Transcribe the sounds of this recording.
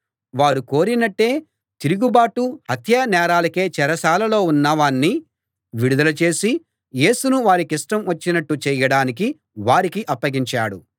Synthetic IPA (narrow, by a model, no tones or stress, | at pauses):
ʋaːɾuko̞ːɾinɐʈːe̞ː | t̪iɾuɡubaːʈuhɐt̪ʰjɐnɛːɾaːlɐke̞ːt͡ʃɛɾɐsaːlɐlo̞ːunːɐʋaːnːi | ʋiɽud̪ɐlɐt͡ʃe̞ːsi | je̞ːsunuʋaːɾikiʂʈɐmʋɐt͡ʃːinɐʈːut͡ʃɛjɐɽaːniki | ʋaːɾikiʔɐpːɐɡiɲt͡ʃaːɽṵ